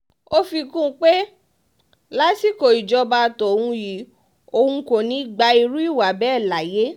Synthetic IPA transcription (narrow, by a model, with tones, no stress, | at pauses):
o˦fi˧kũ˦˧k͡pe˦ | la˦si˦˨ko˨i˨d͡ʒɔ˧ba˧tɔ˨hũ˧ji˨˦ | o˧hũ˧ko˨nĩ˨˦˨ɡ͡ba˧i˧ɾu˦i˦˨wa˨bɛ˦˨la˨je˦